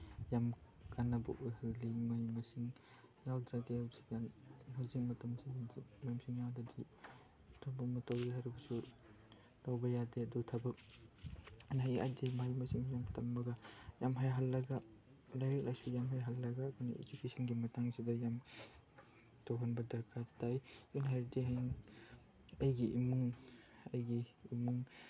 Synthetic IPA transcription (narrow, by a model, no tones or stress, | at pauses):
jam | kanːɐbɐ̰ʔujhalːimajmasiŋ | jawdɾadeasi̥kanhazik̚mɐtɐmsijamajmsiŋjawdadi | tʰabɐkmɐtɐwjiɦaɾubɐsu | tawbɐjadeɐdutʰɐbɐk̚ | nɦaja̰dimajmɐsiŋjamtɐmbɐɡajamɦajɦalːɐɡa | lajɾk̚lajsujamɦajɦalːɐɡaːduna̰ʔḛd͡ʒukesʰɔnɡimɐtaŋsidɐjam | tobanbɐdɐɾkʰatajunɦaɾdiɦajŋ | ɐjɡiʔimuŋɐjɡiːmuŋ